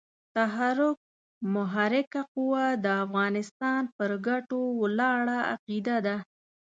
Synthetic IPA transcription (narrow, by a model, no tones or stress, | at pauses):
t̪aɦaɾʊk̚ | mʊɦaɾɪkaqʊwad̪əafɣɑnɪst̪ɑnpəɾɡaʈowlɑɽaa̰qid̪ad̪a